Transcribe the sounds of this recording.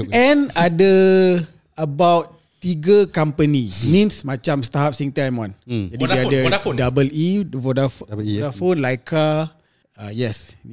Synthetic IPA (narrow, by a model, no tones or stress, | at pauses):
ɛ̃nadə | əbawt̪ | t̪iɡəkampənimĩnsmãt͡ʃamst̪aɦap̚siŋt̪aajmwãnd͡ʒadiiadəfdabəlivɔdafɔdafonlajka | ajɛs